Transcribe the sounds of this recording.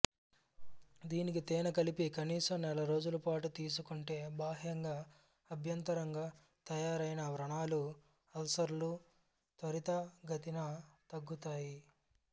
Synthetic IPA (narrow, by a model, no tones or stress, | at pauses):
d̪iːnik̬it̪ɛːnɐkɐlipikɐniːsɐmnɛlɐɾo̞ːd͡ʒulɐpaːʈut̪iːs̬ukuɳʈe̞ːbaːɦjɐŋɡaː | ɐbʱjɐnt̪ɐɾɐŋɡaː | t̪ɐjaːɾɐjinɐʋɾɐɳaːlu | ɐlsɐɾlu | t̪ɐɾit̪ɐɡɐt̪inɐt̪ɐɡːut̪aːji